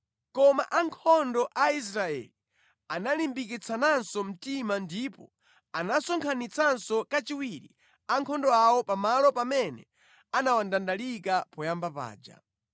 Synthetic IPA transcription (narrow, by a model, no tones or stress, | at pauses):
kɔma̰ʔaŋkʰɔndɔʔais̬ɾaɛ̰li | analimbikit͡sʰanansɔm̩timandipɔ | anasɔŋkʰanit͡sʰansɔkat͡ʃiwiɾḭ | aŋkʰɔndɔawɔpamalɔpamɛnɛ̰ | anawandandalikapɔjambapa̰ːd͡ʒa̰